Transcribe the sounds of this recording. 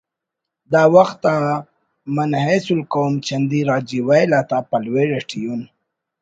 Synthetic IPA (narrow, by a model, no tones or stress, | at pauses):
d̪ɑwaxt̪ːa | manhesulkomt͡ʃand̪iɾɑd͡ʒiwajlat̪apalweɾeʈijun